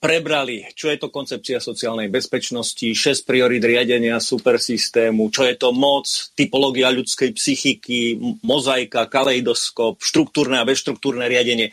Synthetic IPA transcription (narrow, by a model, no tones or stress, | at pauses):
pɾɛbɾalit͡ʃɔjɛt̪ɔkɔnt͡sɛp̚t͡siasɔt͡siaːlnɛjbɛspɛt͡ʃnɔsciʃɛsc̚pɾiɔɾiːd̪ɾɪaɟɛɲɪasupɛɾsist̪ɛːmut͡ʃɔjɛt̪ɔmɔt͡st̪ipɔlɔːɡiaʎut͡skɛjpsixikimɔzajkakalɛid̪ɔskɔpʃt̪ɾuk̚t̪uːɾnɛabɛsʃt̪ɾukt̪uːɾnɛːɾɪaɟɛɲɪɛ